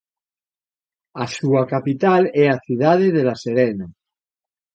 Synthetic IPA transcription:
asuakapit̪alɛaθjuð̞að̞eðelaseɾena

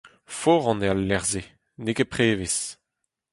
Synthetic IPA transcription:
foːʁɑ̃nealːɛʁze | nekepχeːves

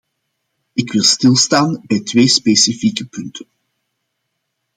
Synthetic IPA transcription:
ɪkʋɪlˠstɪlˠstaːnbɛjtʋeːspesifikəpɵntʰən

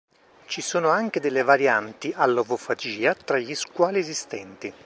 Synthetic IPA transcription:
t͡ʃisoːnoaŋk̟ed̪elːevaɾjant̪iʔalːovofad͡ʒiːat̪ɾaʎːiskwɔːliezist̪ɛnt̪i

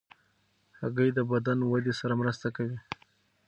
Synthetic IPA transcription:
haɣəjd̪əbad̪anwad̪esaɾamɾəst̪akawi

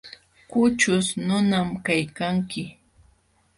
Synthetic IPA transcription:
kʊt͡ʃʊsnʊnamkajkaŋkɪ

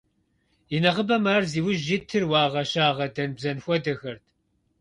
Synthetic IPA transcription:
inɐʁəbɐmaːrziːwʊʒitʰɨrwɑːʁɐɕaːʁɐdɐnbzɐnxʷɔdɐxɐrtʰ

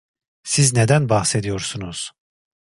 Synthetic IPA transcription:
sizned̪ænbɑhsed̪ijo̞ɾsunuz̥

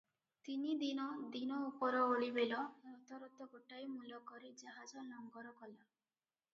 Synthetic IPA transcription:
t̪inid̪inɔd̪inɔupɔɾɔoɭibelɔɾɔt̪ɔɾɔt̪ɔɡoʈajmulɔkɔɾid͡ʒaɦad͡ʒɔlɔŋɡɔɾɔkɔla

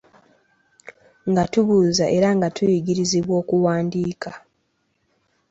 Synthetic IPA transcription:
ŋɡatuβuːzaʔe̞ɾaŋɡatujiɡiɾiziβwo̞ːkuwaːndiːka

